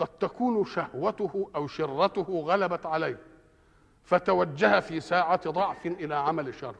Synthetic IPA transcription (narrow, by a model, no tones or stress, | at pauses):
qɑd̪̚t̪akuːnʃahwat̪ʊhʔawʃɪrːat̪ʊhʊɣalabat̪ʕalajh | fæt̪awad͡ʒːahafiːsaːʕat̪d̪ˤɑʕfɪnʔɪlaːʕamalɪʃːɑ̰rˤː